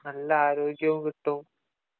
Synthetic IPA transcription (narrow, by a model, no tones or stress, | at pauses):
nɐlːɐaːɾoːɡjɐʋkiʈːum